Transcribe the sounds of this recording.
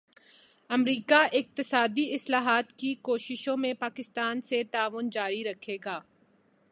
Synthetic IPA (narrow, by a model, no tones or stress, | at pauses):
ɐmɾiːkaʔɪk̚t̪ɪsaːd̪iɪslaːɦaːt̪kikoːʃɪʃõmẽpaːkɪst̪aːnset̪aːʋʊnd͡ʒaːɾiɾɐkʰeːɡaː